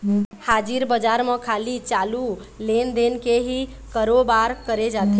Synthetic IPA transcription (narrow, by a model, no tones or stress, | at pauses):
had͡ʒiɾbəd͡ʒaɾmekʰalit͡ʃalu | lend̪enkeɦi | kəɾobaɾkəɾed͡ʒat̪ʰi